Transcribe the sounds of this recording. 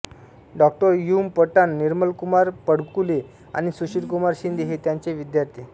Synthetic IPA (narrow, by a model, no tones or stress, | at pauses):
ɖɔk̚ʈəɾjumpəʈanːiɾməlkumaɾpəɽkule | a̰ɽ̃isuɕiɽkumaɾɕind̪ʱiɦet̪jãɲt͡ɕeʋid̪jaɾt̪ʰi